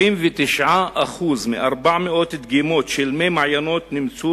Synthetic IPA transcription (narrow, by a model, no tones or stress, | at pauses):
imvet̪iʃʕaʔaχuzmeʔaʁbaʕmeo̞t̪ed̪ɡimo̞t̪ʃelmemaʕjano̞t̪nimt͡su